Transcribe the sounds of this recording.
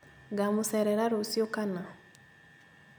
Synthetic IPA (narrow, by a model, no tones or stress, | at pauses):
ɡamusɛɾɛɾaɾosijokana